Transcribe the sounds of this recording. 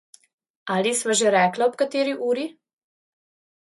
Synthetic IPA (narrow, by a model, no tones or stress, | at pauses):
aːlisʋaʒɛɾɛːklaɔpkat̪eːɾiʔuːɾi